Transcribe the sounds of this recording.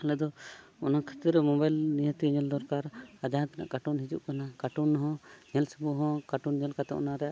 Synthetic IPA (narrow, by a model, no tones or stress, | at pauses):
ɛlɛd̪ɔɔnakʰat̪iɾɛmɔbajlnijə̃t̪iɲɛld̪ɔɾkaɾad͡ʒat̪ana̰ʔkaʈunɦid͡ʒṵʔkanakaʈunːɔɦɔ̃ɲɛlsubuɦɔ̃kaʈunɲɛlkat̪ɛ̰ʔɔ̰naɾɛja̰ʔ